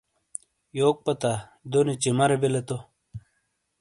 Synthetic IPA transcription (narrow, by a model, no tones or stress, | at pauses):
joːk̚pɐt̪ad̪onet͡ɕimɐɾebelet̪o